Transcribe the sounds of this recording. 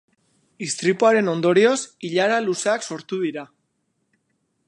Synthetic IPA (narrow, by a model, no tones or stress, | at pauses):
ist̪ɾipuaɾe̞no̞nd̪o̞ɾio̞siʎaɾaluseakso̞ɾt̪uð̞iɾa